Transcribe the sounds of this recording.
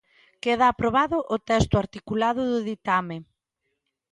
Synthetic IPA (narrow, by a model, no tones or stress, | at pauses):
keð̞aːpɾoβ̞aðʊʔʊt̪ɛst̪ʊaɾt̪ikulað̞ʊðʊðit̪ame